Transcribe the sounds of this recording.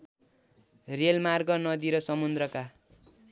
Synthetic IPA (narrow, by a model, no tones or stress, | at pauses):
relmarɡʌnʌd̪iɾʌsʌmund̪rʌka